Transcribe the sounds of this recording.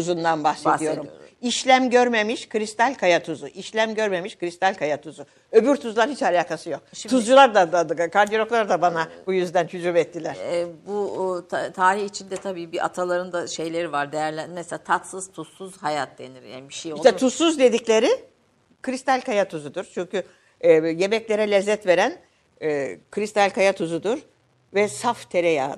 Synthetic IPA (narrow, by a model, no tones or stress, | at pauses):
uzund̪anbaxseijo̞ɾumiʃlʲæmɟø̞ɾme̞miʃkʰɯɾist̪ælʲkʰajat̪ʰuzuʔiʃlʲæmɟø̞ɾme̞miʃkʰɯɾist̪ʰælʲkʰajat̪ʰuzu | ø̞byɾt̪ʰuzlˠaɾhit͡ʃalʲaːkʰasɯjo̞k̚t̪ʰuzd͡ʒulˠaɾd̪ad̪ad̪kʰaɾd̪ijolʲo̞klˠaɾd̪abanabujyzd̪ænt͡ʃʰyd͡ʒumɛt̪ʰːilʲæɾ̥bu | t̪ʰaːɾiçit͡ʃʰind̪ɛt̪ʰabiːbiʔa̰t̪ʰalˠaɾɯnd̪aʃe̞jlʲeɾivaɾd̪ejæɾlʲænmɛseat̪ʰat̪sɯz̥t̪ʰusuzhajat̪̚d̪eniɾja̰ːnbiʃejoʃt̪ɛt̪ʰusːuzd̪e̞d̪iclʲe̞ɾɪ | kʰɯɾist̪ʰalʲkajat̪ʰuzud̪uɾ̥t͡ʃʰyɲcy | je̞mɛclʲe̞ɾɛlʲɛzːɛt̪ve̞ɾænː | kʰɯɾist̪ʰalʲkʰajat̪ʰuzud̪uɾ | vɛsaft̪ʰe̞ɾɛja̰ːd̪ɯ